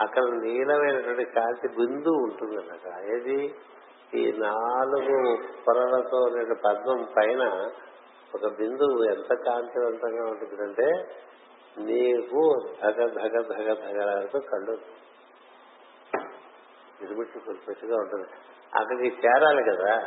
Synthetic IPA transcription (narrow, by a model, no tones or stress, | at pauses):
ɐkːɐɽɐniːlɐmɐjnɐʈʋɐɳʈikaːnt̪ibind̪uːɳʈund̪inaːkaaeːd̪i | ḭːnaːluɡupɔɾɐlɐt̪oːnɐɐɳʈipɐd̪nɐmpɐjnɐ | ɔkɐbind̪uent̪ɐkaːɲt͡ʃiʋɐnt̪ɐŋɡaːuɳʈundid̪ɐɳʈe̞ː | niːkud̪ʱɐɡɐd̪ʱɐɡɐd̪ʱɐɡɐd̪ʱɐɡɐlaːlɐt̪oːkɐɭːu | ɡiɾimiʈsikuɾpesuɡaːuɳʈund̪i | ɐ̰kːɐɽikit͡ʃɛːɾaːlikɐd̪aː